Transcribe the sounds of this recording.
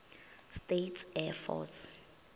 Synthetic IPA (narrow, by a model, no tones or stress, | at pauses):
stetʰɛfɔ̰s